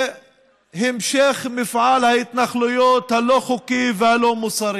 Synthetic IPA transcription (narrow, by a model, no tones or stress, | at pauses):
hɪmʃeχmɪfʕalhaɪt̪naχlujot̪haloχukivehalomusˤɑɾi